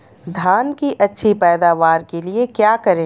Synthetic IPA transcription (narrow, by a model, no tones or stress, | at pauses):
d̪ʱjaːnkiʔɐtːʃʰipɛːd̪aːʋaːɾkeliekjaːkɐɾẽː